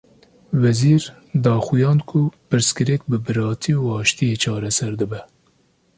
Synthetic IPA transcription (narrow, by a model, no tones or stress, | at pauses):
vɛziːɾ | d̪ɑːxujɑːnkʰʊpɨɾskɨɾɛk̚bɨbɨɾɑːt̪ʰiuɑːʃt̪ijeːt͡ʃʰɑːɾɛsɛɾd̪ɨbɛ